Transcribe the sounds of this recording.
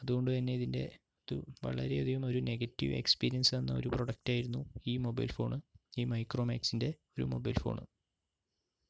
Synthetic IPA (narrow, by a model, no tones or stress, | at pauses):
ɐðuɣo̞ɳɖɨt̪ɐnːe̞iðinde̞̰ | ɐðṵʋɐ̰ɭɐ̰ɾe̞ɐðijumo̞ɾune̞ɣɐtːiʋe̞̰kspiːɾijɐnsenːɐo̞̰ɾupro̞ɽɐk̚taːjiɾunːuiːmo̞bɐjlfo̞̰ːɳɨiːmɐjkro̞ːma̰ːksinde̞o̞ɾṵmo̞̰bɐ̰jlfo̞̰ːɳɨ̰